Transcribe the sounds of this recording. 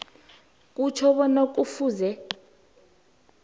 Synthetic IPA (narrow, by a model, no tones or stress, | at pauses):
k̬ʼut͡ʃʰɔɓɔnok̬ʼufuːzɛ